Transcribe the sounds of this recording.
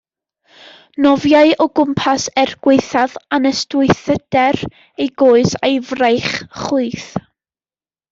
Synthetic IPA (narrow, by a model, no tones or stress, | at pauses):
nɔvjaɨɔɡʊmpʰasɛrɡ̥weɨθaðanəstʊɨθəd̥ɛr | ejɡoːɨsajvrejχχuɨθ